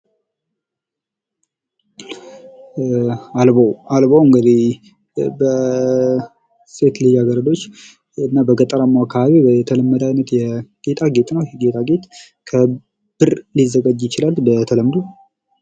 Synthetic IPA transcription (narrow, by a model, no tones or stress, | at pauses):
albowalbowɨŋɡəd̪ih | bə | set̪lijaɡəɾəd̪o̞t͡ʃː | ɨnːabəɡət̪ʼəɾamːawakʰːaβaβibət̪ʰələmːəd̪ajnət̪jɛɡ̥e̞t̪ʼaɡe̞t̪ʼnəwɡe̞t̪ʼaɡe̞t̪ | kʰə | b̥ɨɾlizːəɡəd͡ʒjɪt͡ʃɪlalbət̪ʰələmd̪u